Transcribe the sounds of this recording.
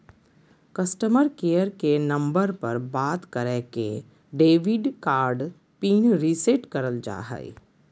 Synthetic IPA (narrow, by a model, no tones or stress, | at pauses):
kɐsʈəməɾkeːjəɾkenɐ̃mbəɾpɐɾbaːt̪kəɾeːkḛ | ɖeːʋɪɖkaːɾɖ | piːnɾiːseʈkɐɾəld͡ʒa̰ːɦə̰ḭ